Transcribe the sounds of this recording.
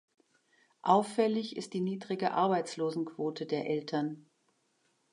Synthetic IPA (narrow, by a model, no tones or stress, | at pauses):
ʔaʊfɛlɪçɪ̰st̚d̥iːniːdʁɪɡəʔa̰ɐbaɪt͡sloːzn̩kv̥oːtʰədeːɐʔɛltʰɐn